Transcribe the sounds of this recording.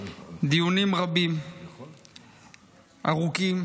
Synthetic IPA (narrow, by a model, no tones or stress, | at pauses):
d̪iunimrabim | aɣukʼim